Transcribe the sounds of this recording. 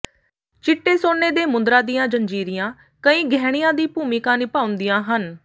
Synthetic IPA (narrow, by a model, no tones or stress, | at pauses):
t͡ʃɪʈːeːsoːneːd̪eːmʊnd̪ɾãːd̪ijãːd͡ʒənd͡ʒiːɾɪjãː | kəĩːɡʱɛːɽ̃ɪjãːd̪iːpuːmikãːniːpaːʊ̃nd̪ijãːɦən